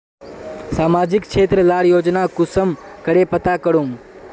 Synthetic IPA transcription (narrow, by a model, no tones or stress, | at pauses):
saːmaːd͡ʒɪkkt͡ʃʰeːt̪ɾəlaːɽjoːd͡ʒnakʊsəmkəɾepət̪akəɽũm